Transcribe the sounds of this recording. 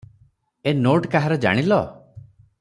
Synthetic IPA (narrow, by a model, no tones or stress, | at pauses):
enoʈkaɦaɾɔd͡ʒa̰ɽ̃ilɔ